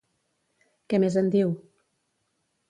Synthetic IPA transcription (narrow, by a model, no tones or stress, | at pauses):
kɛmezənd̪iw